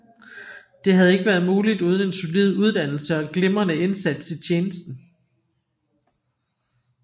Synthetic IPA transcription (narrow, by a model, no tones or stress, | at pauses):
d̥e̝ɦæð̞ˠe̝ɡ̥əʋæːɐð̞ˠmuːlid̥uːð̞ˠən̩e̝nso̝lið̞̰ˠuð̞ˠd̥æn̰l̩səɒ̽ɡ̥lemɐnəe̝nsæd̥sit͡ɕʰjeːnəsd̥n̩